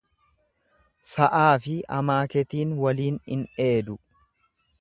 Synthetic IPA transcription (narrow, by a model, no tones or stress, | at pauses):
sɐʔaːfɪɐ̰maːkɛt̪iːnwɐliːnɪ̰ne̞ːd̪ʊ